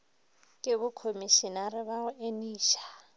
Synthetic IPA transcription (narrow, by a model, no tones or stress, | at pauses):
kʼɪβʊkʰomiʃɪnarɪβaʊʔeniːʃḁ